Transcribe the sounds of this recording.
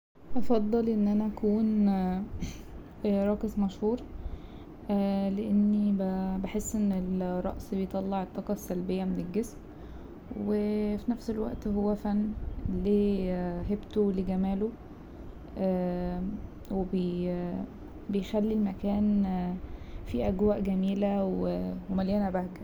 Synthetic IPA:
ʔɑfɑd̪ˤːɑlʔenːʔænæʔækuːn | ɾˤɑːkesˤmɑʃhuːɾˤ | ʔæleʔenːibæbeħesːʔenːelɾˤːɑ̰ʔsbejt̪ˤɑlːɑʕet̪ˤːɑqɑsːælbejːæmenelɡesm | wefinæfselwæ̰ʔt̪howːæfænːliːɦebt̪oleɡæmæːlo | ʔæ | webe | bejxælːilmækæːn | fiʔæɡwæːʔɡæmiːlæwewemæljænæbæhɡæ

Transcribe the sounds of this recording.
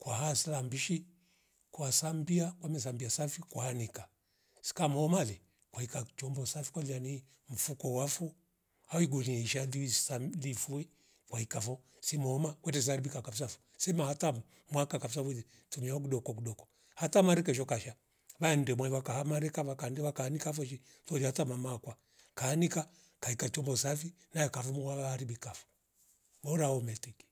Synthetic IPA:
kwaɦaslambiʃi | kwasambiakwamɛs̬ambiasafikwahanika | si̥kamɔːmali | kwaikat͡ʃɔmbɔsafi̥kwaliani | m̩fukɔwafu | awiɡuniɛiʃalisamlifuɛ | kwaikafɔ | simɔːmakwɛtɛsiaɾibikakafis̬afɔ̥ | sɛmahata | mwakakafis̬afuði | tumiaɔk̬uɗɔkɔkuɗɔkɔ̥ | hatamaɾɛkɛʃ̬ɔkaʃa | βan̩dɛmwaiwakahamaɾɛkaβakandɛβakaːnikafɔʃ̬i | fɔɾihatamamakwa | kaːnika | kaikat͡ʃɔmbɔsafi | najɛkafumuaaːɾibikafɔ̥ | mɔɾaɔmɛtɛki̥

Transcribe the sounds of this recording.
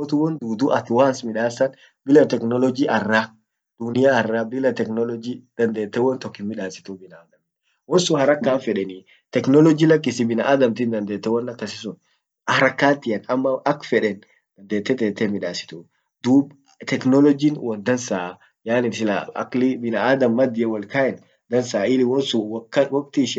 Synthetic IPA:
ɔt̪ʊwɔnd̪uːd̪uʔɐt̪waːnsmɪᶑaːsɐn | bɪlɐt̪ɛknɔlɔd͡ʒiʔɐrːa | d̪̥ʊnɪjaɐrːaːbɪlɐt̪ɛknɔlɔd͡ʒid̪̥ɐnd̪eːt̪ːɛwɔnt̪ɔkːɪmɪᶑaːsɪ̥t̪ubɪnɐːd̪ɐmt̪ | wɔnsʊhɐɾɐkːaːnfɛᶑɛni | t̪ɛknɔlɔd͡ʒilɐk̬ʼːɪsɪbɪnɐʔad̪ɐmt̪ɪnd̪ɐnd̪eːt̪ːɛwɔnːɐkːɐsɪsʊn | hɾɐkːaːt̪ɪɐnɐmːɐɐkfɛᶑɛn | d̪ɐnd̪eːt̪ːɛt̪eːt̪ːɛmɪᶑaːsɪ̥t̪u | d̪uːb | t̪ɛknɔlɔd͡ʒinwɔnd̪ɐnsaːʔ | jaːnɪsɪlaɐ̰klɪbɪnɐad̪ɐmːɐd̪ɪɛwɐlkaːʔɛn | d̪ɐnsaːɪlwɔnsʊwkːɐwɔkt̪ɪːʃ

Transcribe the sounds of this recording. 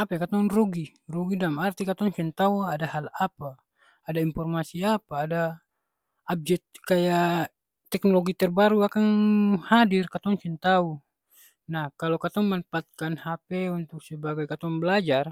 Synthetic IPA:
apɛkat̪ɔnruɡi | ruɡidamart̪ikat̪ɔŋsɛnt̪auadahalapaː | daimpɔrmasiapaːda | ab̚d͡ʒɛt̪̚kaja | t̪ːɛknɔloɡit̪ɛrbaɾuakaŋhadirkat̪ɔŋsɛnt̪au | nahkalɔkat̪ɔŋmanpat̪̚kanhapɛunt̪uk̚sɛbaɡajkat̪ɔŋbəlad͡ʒar

